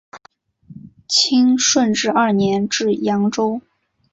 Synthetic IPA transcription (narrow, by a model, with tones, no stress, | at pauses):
t͡ɕʰi˥ŋʂwə˥˧nʈ͡ʂɻ̩˥˧ʔɐ˥˩njɛ˧˥nʈ͡ʂɻ̩˥˩jɑ˧˥ŋʈ͡ʂo˥ʊ